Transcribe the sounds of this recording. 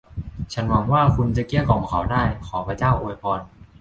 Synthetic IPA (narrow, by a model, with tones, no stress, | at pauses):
t͡ɕʰa˦˥nwa˧˥mwaː˥˩kʰu˧nt͡ɕa˨˧˦ki˧˥˩əkɔː˩˦ŋkʰa˨˩˦wdaː˥˩jkʰɔː˩˦pʰa˧t͡ɕaː˥˩wʔoː˧jpʰɔː˧n